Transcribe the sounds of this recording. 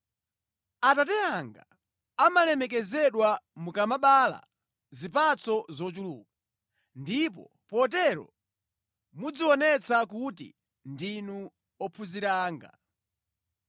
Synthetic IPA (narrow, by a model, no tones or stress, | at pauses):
atatɛaŋɡa̰ | amalɛmɛk̬ɛzɛɗwamukamaɓala̰ | zipat͡sɔzɔt͡ʃulṵːku | ndip̬ɔ̰ | pɔtɛɾɔ̰ | mud͡ziwɔnɛt͡sakutḭ | ndinu | ɔpʰuziɾaːŋɡa̰